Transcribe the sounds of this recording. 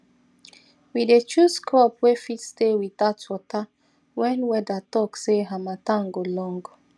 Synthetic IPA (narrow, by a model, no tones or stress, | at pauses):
widet͡ʃuskɔpwefitstewidatwɔta | wɛ̃nwɛdatɔkseɦamatãŋɡolɔ̃ŋɡ